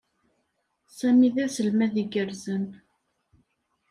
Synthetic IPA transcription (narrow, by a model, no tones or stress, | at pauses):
sæmiðæsəlmæðiɡəɾzən